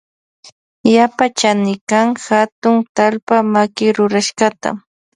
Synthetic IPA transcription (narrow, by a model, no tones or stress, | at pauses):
japat͡ʃanɪkaŋxat̪ʊŋt̪alpamakɪɾʊɾaʃɢat̪a̰